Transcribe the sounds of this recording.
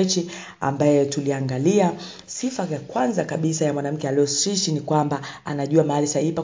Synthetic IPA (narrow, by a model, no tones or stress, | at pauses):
t͡ʃi | a̰mbajɛtuliaŋɡalia | sifajakwanzakaɓisajamwanam̩kɛaliɔsiʃinikwambaanaʄuamaalisaipa